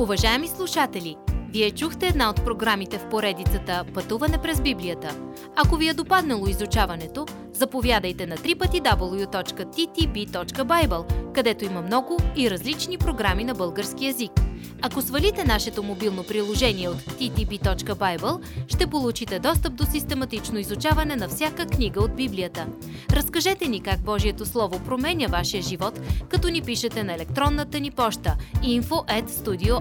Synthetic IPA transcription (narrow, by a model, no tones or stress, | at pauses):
uvɐʒaɛmislˠuʃat̪ɛlʲiviɛt͡ʃuxt̪ɛːd̪naot̪pɾoɡɾamit̪ɛfpoɾɛd̪it̪sət̪əpɐt̪uvɐnɛpɾɛzbibliət̪ə | ɐkoviɛd̪opad̪nɐlˠoizut͡ʃavɐnɛt̪o | zɐpovʲjad̪əjt̪ɛnɐt̪ɾipət̪id̪abəlˠjut̪ɔt͡ʃkət̪it̪ibit̪ɔt͡ʃkəbajbəlˠkɐd̪ɛt̪oimɐmnɔɡʊiɾɐzlit͡ʃnipɾoɡɾaminɐbɤlˠɡəɾskiɛzik | ɐkosvɐlit̪ɛnaʃɛt̪omobilˠnopɾilˠoʒɛniɛot̪ːit̪ibit̪ɔt͡ʃkəbajbəlˠʃt̪ɛpolˠut͡ʃit̪ɛd̪ɔst̪əp̚d̪osist̪ɛmɐt̪it͡ʃnoizut͡ʃavɐnɛnɐfsʲjakəkniɡəod̪biblijət̪ə | ɾɐskɐʒɛt̪ɛnikaɡ̚bɔʒiɛt̪oslˠɔvopɾomɛnʲəvaʃiəʒivɔt̪kɐt̪ɔnipiʃət̪ɛnɐɛlɛk̚t̪ɾɔnːət̪ənipɔʃt̪əinfoʔɛt̪st̪ud̪io